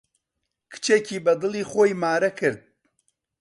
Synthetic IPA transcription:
kʰɨ̥t͡ʃʰecʰiːbɐd̪ɨlˠiːχoːjmaːɾɐkʰɨɾd̪̚

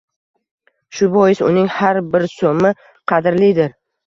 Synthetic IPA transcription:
ʃʊbɒjɪsʊ̰nɪŋhaɾbɪɾsomɪ | qʰɑd̪ɪɾlid̪ɪɾ

